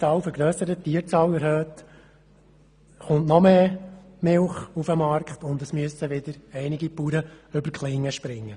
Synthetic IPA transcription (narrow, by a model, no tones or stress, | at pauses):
t͡sɑːwfəɾɡɾøːsəɾət̪iːəɾt͡sɑːwɛɾhøːt̪ | χʊntnɔmeːmɪlχufəmɑɾkχtʊnd̪əsmyəsəʋɪd̪əɾɛɪniɡipuːɾəʏbəɾkχlɪŋːəʃpɾɪŋːə